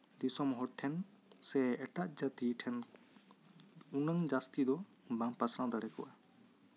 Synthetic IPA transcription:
d̪isɔmɦɔɽʈʰɛn | sɛɛʈaʔd͡ʒat̪iʈʰɛn | unəŋd͡ʒast̪id̪ɔ | bãmpasɾãwd̪aɽɛkɔʔa

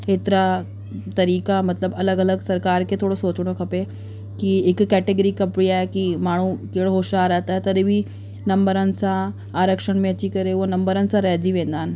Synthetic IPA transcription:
et̪ɾa | t̪əɾikamət̪ləbələɡələɡsəɾkaɾkẽt̪ʰoɽosot͡sɽ̃okʰəpe | kiekːæʈeɡəɾiːkəpɽiajkiːmaɽ̃uːkeɽoɦoɕaɾat̪at̪əɾeʋiː | nəmbəɾant͡saː | ɾəkʂəɳmjat͡ɕiːkəɾeʋonəmbəɾant͡saɾad͡ʑiːʋẽnd̪an

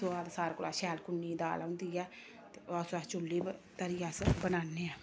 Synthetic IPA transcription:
oːaːd̪saːɾkolaːʃɛːlkʊnːiːd̪a̰ːlaʊnd̪iːɛː | t̪eːaːsaːt͡ʃʊlːiːt̪əɾɪjaːsbənaːneːɛː

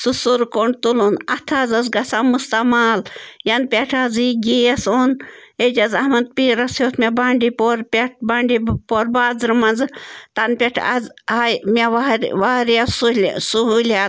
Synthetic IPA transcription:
susuɾkoɳɖt̪ulunɐt̪ʰaːzɐzɡɐsamust̪ɐmaːljɐnpʲeʈʰaziɡiɐsoːned͡ʒɐzɐhmɐnd̪̚piːɾɐsjoːt̪ʰmʲebaːɳɖipoɾpʲeʈʰbaɳɖipoɾbaːzɾmɐnzɨt̪ɐnpʲeʈʰɐ̰zajmʲeʋaɾʋaːɾjasulsuɦulʲaːt̪̚

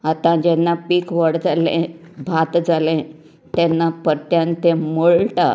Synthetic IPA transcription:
at̪ãd͡ʑɛnːapiːkʋəɽd͡zalḛ̃bʱat̪d͡zalẽ | t̪ɛnːapəɾt̪jãnt̪ẽmoɭʈa̰

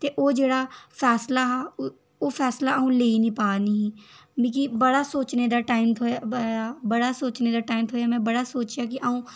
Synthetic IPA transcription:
t̪eːʔoːd͡ʒeːɽaːpʰɛːslaɦɛː | oːpʰɛːslaːũːleːinĩːpaːni | mĩːkibəɽaːsoːt͡ʃned̪aːʈaːɪmʰoaːbəɽaːsoːt͡ʃneːd̪aːʈaːimt̪ʰoːjaːmɛ̃ːbəɽaːsoːt͡ʃjaːk̬ɪʔaːũː

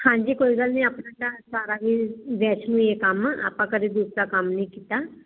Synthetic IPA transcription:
hãːɲd͡ʒiːkoːiːɡəlnĩːaːpnãːʈãːsaːɾaːʋiːʋɛːt͡ʃnũːeːkəma̰ːpãːkəd̪eːd̪uːsɾaːkəmnəĩːkiːt̪aː

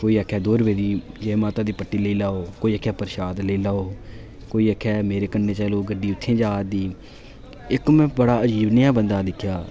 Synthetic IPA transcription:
koːiːəkʰːɛːd̪oːɾəbeːd͡ʒiːd͡ʒemaːt̪ãːd̪iːpəʈːiːləiːlaːoːkoːiːəkʰɛːpəɾɪʃaːd̪ləiːlaːoː | koːiːəkʰɛːmeːɾeːkənːeːt͡ʃɛːloːɡəɖiːʊt̪ʰːẽːd͡ʒaːd̪iː | ɪkmɛ̃ːbəɽaːəd͡ʒiːbnɪjaːbənd̪aːd̪ɪkʰːjaː

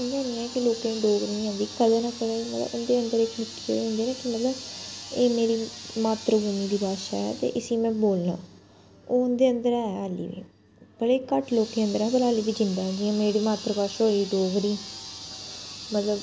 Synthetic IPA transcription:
ʊ̃nd̪aːnĩːɛːkɪloːkẽːɖoːɡɾĩːɦãnd̪iːkəd̪eːnaːkəleːmət̪lə̰bʊnd̪eːənd̪əɾeːt͡ʃʰnɪkːi̥ːkḛɦʊ̃nd̪eːnẽːkɪmət̪ləbeːmeːɾiːmaːt̪ɾɡuːmiːd̪iːpaːʃaɛ̰ːt̪ḛːʔəsiːmɛ̃ːboːlnã̰ː | oːʊnd̪eːənd̪əɾɛːaːlḭːʋḭː | pəleːkəʈloːkẽːə̃nd̪əɾɛ̃ːbəlaːliːbiːd͡ʒɪnd̪aːd͡ʒɪãːmeːɽiːmaːt̪ɾəpaːʃaːoiːɖoːɡɾiː | mət̪ləb

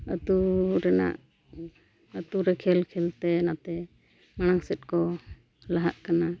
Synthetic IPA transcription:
ət̪uɾɛna̰ʔ | ət̪uɾɛkʰɛlkʰɛlt̪ɛnat̪ɛ | mañaŋsɛt̪̚kɔ | laɦaʔkana

